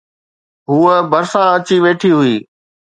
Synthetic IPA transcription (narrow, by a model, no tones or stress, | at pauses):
ɦuːəbəɾsãɐt͡ɕiʋeːʈʰiɦʊiː